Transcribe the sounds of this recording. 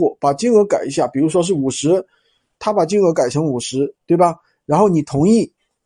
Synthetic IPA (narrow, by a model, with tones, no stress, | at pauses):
ɔ˥˩pa˨˩t͡ɕi˥nə˧˥ka˨˩ɪ˧˥ɕ̬ja˥˩pi˨˩ɻu˧˥ʂwɔ˥ʂ̬ɻ̩˥˩u˨˩ʂɻ̩˧˥ | t̪ʰa˥pa˨˩t͡ɕi˥ŋə˧˥ka˨˩ɪʈ͡ʂʰɤ˧˥ŋu˨˩ʂɻ̩˧˥t̪we˥˩ɪbɐ˩ | ɻa˧˥nxo˥˩ʊni˨˩t̪ʰʊ˧˥ŋi˥˩